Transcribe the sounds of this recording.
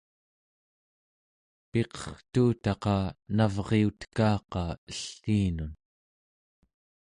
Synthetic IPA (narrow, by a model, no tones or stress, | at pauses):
pe̞qʌ̥χt̪uːt̪ɑqɑnavʁeut̪kɑːqɑəɬːiːnun